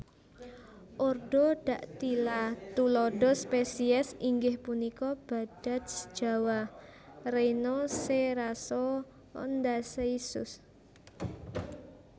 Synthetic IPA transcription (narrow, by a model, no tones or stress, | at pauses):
ʔorɖ̥ɔɖ̥ä̤ʔt̪ilat̪ulɔɖɔspesiɛsiŋɡɪhpunikɔb̥a̤d̥a̤t̪̚sə̥d̥ʒ̥a̤wa | rejnɔseɾasɔ | ɔ̰nd̪aseisʊ̰s